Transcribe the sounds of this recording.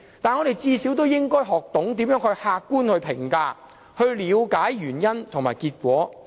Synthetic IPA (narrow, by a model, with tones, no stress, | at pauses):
t̪aː˨nŋɔː˨˧e˨jt͡siː˧si˨˥wt̪o˥wjɪ˥ŋkɔː˥jɦɔː˨k̚t̪ʊ˨˥ŋt̪iː˨˥mjœː˨˥ŋhɵ˧ɥhaː˧kːuː˥nhɵ˧ɥpʰɪ˨˩ŋkaː˧ | hɵ˧ɥliː˨˧wkaː˨˥jɥyː˨˩njɐ˥nt̪ʰʊ˨ŋmaː˨˩jkiː˧t̚kʷɔː˨˥